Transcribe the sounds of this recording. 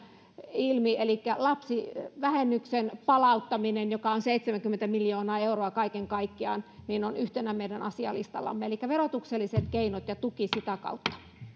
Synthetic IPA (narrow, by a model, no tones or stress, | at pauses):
ilmielikːælɑpsiʋæhenːyksenpɑlɑut̪ːɑminenjokɑonseit̪semæŋkyment̪æmiljoːnɑːeuroɑkɑikeŋkɑikːiɑ̰ːˑnninonyht̪enæmeidænɑsiɑ̰lḭst̪ɑ̰lːɑ̰mːeelikːæʋerot̪ukselːiset̪keinot̪jɑt̪ukisit̪ækɑ̰ut̪ːɑ̥